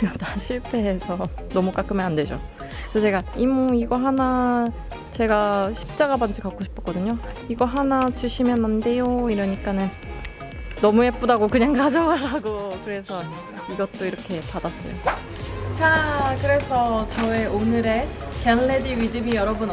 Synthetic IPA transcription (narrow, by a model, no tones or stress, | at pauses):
ʌtaɕʰiɭtʰe̞ːsʰʌ | nʌmuk͈ak͈ʰɯmjʌnande̞d͡ʑo̰ | sʰʌt͡ɕe̞ɡaimuiɡʌɦana | t͡ɕe̞ɡaɕʰi̥p̚t͡ɕ͈aɡaband͡ʑikak͈oɕʰi̥p͈ʰʌ̥k͈ʌdɯɲoiɡʌɦanat͡ɕuɕʰimjʌnande̞joiɾʌɲik͈anɯn | nʌmuɦe̞p͈odaɡokɯɲaŋkad͡ʑʌwaɾaɡokɯɾe̞sʰʌ | iɡʌt̚t͈oiɾʌkʰe̞padas͈ʌ̰jo̰ | t͡ɕakɯɾe̞sʰʌt͡ɕʌeonɯɾe̞kenːediɥid͡ʑɯmijʌɾʌbun